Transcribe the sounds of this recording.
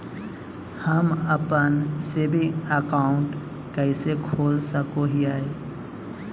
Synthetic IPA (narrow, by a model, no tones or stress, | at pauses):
həməpənsebʱiəkaːʊɳʈ | kəɪsekʰoːlsəkoɦiaːe